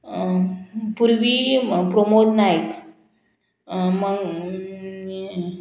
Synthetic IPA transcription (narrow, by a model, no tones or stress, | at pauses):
puɾbipɾomot̪najt̪ | məɡ